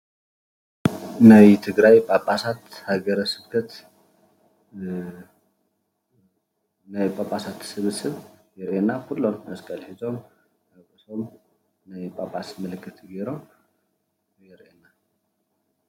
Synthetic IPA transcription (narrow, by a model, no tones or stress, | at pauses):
nəjt̪ʰɨɡɾajpʼapʼːasat̪haɡəɾəsɨβkʰət̪ | nəjpʼapʼːasat̪sɨβɨsɨβɡɛɾʔenːahulːonəskʼəlhizom | əkʼɨsom | nəjpʼapʼːasməlɨkʰːɨt̪ɡeɾom | jɛɾenːa